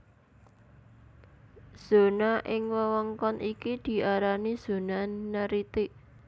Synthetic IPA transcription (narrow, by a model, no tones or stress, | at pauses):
z̥o̤naʔɪŋwəwɔŋkɔnʔikid̪̥i̤ʔaɾaniz̥o̤nanəɾit̪iʔ